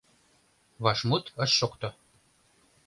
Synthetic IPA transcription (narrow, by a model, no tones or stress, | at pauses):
βɑʃmut̪ə̆ʃːokt̪ɤ